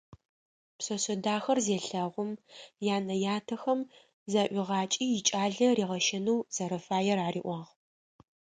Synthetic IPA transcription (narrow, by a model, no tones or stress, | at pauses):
psɐsɐdaːxɐrzeːɬɐʁʷʊmjaːnɐjaːtʰɐxɐm | zaʔʷɪʁɑːt͡ʃʼiːjɪt͡ʃʼaːɮɐriːʁɐʃɐnɐwz̥ɐɾɐfaːjɛɾaːrḭːʔʷɑʁ